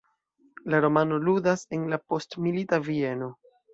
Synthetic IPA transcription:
laɾo̞mano̞ludase̞nlapo̞stmilitavie̞no̞

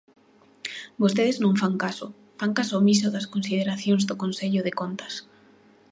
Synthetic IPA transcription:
bos̬t̪eðɪznõŋfaŋkasʊ | faŋkasʊmis̬ʊðɐskonsiðeɾaθjoŋzðʊkonseʎʊðekont̪ɐ̥s

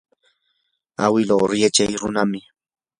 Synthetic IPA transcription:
a̰wɪlawɾjat͡ʃajɾʊnamɪ

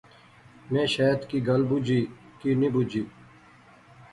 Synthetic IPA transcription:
mẽːʃaːt̪kiːɡɐlbud͡ʑiː | kinibud͡ʑiː

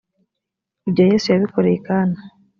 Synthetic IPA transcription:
iβɟoje̞ːsujaβikoɾekana

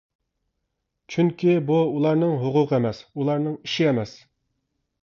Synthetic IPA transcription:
t͡ʃʰyŋkʲʰibuulˠɑɾnɨŋɦʊqʰʊqʰəɛmɛsulˠɑɾnɨŋiʃiɛmɛs

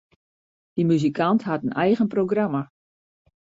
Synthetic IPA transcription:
d̥əmyzikʰantɦatənɛjɣənproɡrama

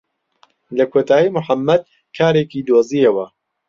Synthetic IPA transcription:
lɐkʰoːt̪ʰaːjimʊħamːɐd̪̚ | kʰaːɾeːkiːd̪oːziɐwɐ

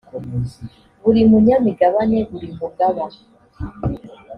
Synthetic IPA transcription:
βuɾimuɲamiɡaβaneβuɾimuɡaβa

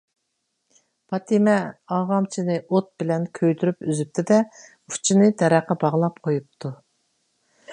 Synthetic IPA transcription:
pʰɑt̪ʰimɛɑʁɑmt͡ʃʰinɨʔot̪̚b̥ɪlɛnkʲʰøjt̪yɾypyzyp̚t̪ʰɪd̪ɛ | u̥t͡ʃʰinɨt̪ʰɛɾæqːɑbɑʁlˠɑp̚qʰojup̚t̪ʰu

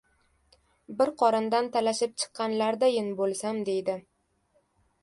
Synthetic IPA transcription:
bɪɾqʰɒɾɪnd̪ant̪ʰalaʃɪp̚t͡ʃʰɨ̥qːɑnlaɾd̪ajɪnbolˠsamd̪e̞jd̪ɪ

